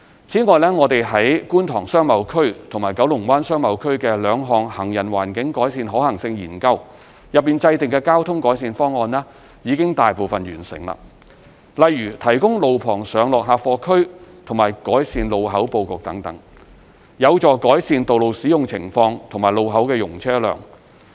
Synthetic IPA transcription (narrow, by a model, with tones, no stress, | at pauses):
t͡sʰiː˨˥ŋɔː˨˧jlɛː˥ŋɔː˨˧t̪e˨jɦɐ˨˥jkuː˥nt̪ʰɔː˨˩ŋsœː˥ŋmɐ˨˧˥wkʰɵ˥ɥt̪ʰʊ˨˩maː˨˩jkɐ˨˥wlʊ˨˩ŋwaː˥nsœː˥ŋmɐ˨˧wkʰɵ˥ɥkɛː˧lœː˨˧ŋɦɔː˨ŋhɐ˨˩ŋjɐ˨˩nwaː˨˩nkɪ˨˥ŋkɔː˨˥jsiː˧nɦɔː˨˥hɐ˨˩ŋsɪ˧ŋjḭː˨˩nkɐ˧w | jɐ˨p̚ːiː˨nt͡sɐ˧jt̪ɪ˨ŋkɛː˧kaː˥wt̪ʰʊ˥ŋkɔː˨˥jsiː˨˧nfɔː˥ŋːɔː˧nlɛː˥ | jiː˨˧kɪ˥ŋt̪aː˨jpo˨wfɐ˨nɥyː˨˩nsɪ̰˨˩ŋlɐ̰ː˨ | lɐ˨jyː˨˩t̪ʰɐ˨˩jkʊ˥ŋlo˨wpʰɔː˨˩ŋsœː˨˧ŋlɔː˨k̚ɦaː˧fɔː˧kʰɵ˥ɥt̪ʰʊ˨˩ŋmaː˨˩jkɔː˨˥jsiː˨˧nlo˨wɦɐ˨˥wpo˧wkʊ˨k̚t̪ɐ˨˥ŋt̪ɐ˨˥ŋ | jɐ˨˧wt͡sɔː˨kɔː˨˥jsiː˧nt̪o˨wlo˨wsiː˨˥jʊ˨ŋt͡sʰɪ˨˩ŋfɔː˧ŋt̪ʰʊ˨ŋmaː˨˩jlo˨˧wɦɐ˨˥wkɛː˧jʊ˨˩ŋt͡sʰɛː˥lœ̰ː˨˩ŋ